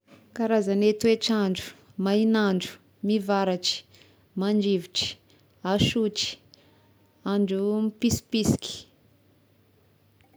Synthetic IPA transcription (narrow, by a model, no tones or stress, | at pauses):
kaɾazanet̪ueʈ͡ʂaɳɖ͡ʐu̥ | mainaɳɖ͡ʐu̥ | mivaɾaʈ͡ʂi̥ | maɳd͡ʒiviʈ͡ʂi̥ | aʃuʈ͡ʂi̥ | aɳɖ͡ʐumipisi̥pisi̥kʲi̥